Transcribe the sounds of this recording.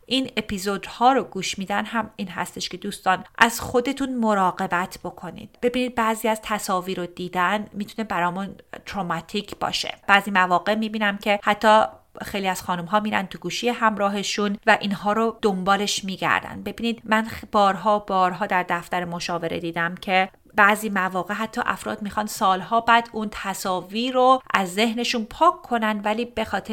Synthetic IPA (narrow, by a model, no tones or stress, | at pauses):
ʔine̞pizod̪hɒːɾoɡuːʃmiːd̪ænɦæmiːnɦæ̰st̪e̞ʃkʰe̞d̪uːst̪ɒːnʔæz̥xo̞d̪e̞t̪ʰunmo̞ɾɒːɡe̞bæt̪ʰb̥o̞kʰo̞nḭd̪̥̚b̥e̞biːniːd̪̚bæːziːæz̥t̪ʰæsɒːviːɾod̪iːd̪ænmit̪ʰune̞bæɾɒːmunt̪ɾoːmæt̪ʰiːcʰb̥ɒ̰ːʃe̞̰b̥æːziːmævɒːɡe̞miːbiːnæmcʰe̞hæt̪ʰːɒːxe̞jliæz̥xɒːnumɦɒːmiːɾæ̰nt̪ʰuɡuːʃijeɦæmɾɒːɦe̞ʃunvæʔiːnɦɒːɾod̪ombɒːle̞ʃmiːɟæ̰ɾd̪æ̰nd̪̚be̞biːniːd̪mænbɒːɾɦɒːbɒːɾɦɒːd̪æɾd̪æft̪æɾemoʃɒːve̞ɾe̞̰d̪iːd̪æmcʰe̞ | bæːziːmævɒːɣeɦæt̪ʰːɒ̰ːʔæ̰fɾɒ̰ːd̪miːxɒnd̪sɒːlɦɒːbæːd̪unt̪ʰæsɒːviːɾoʔæzːe̞ɦne̞ʃunpʰɒːkʰːo̞nænd̪væliːbe̞xɒːt̪ʰe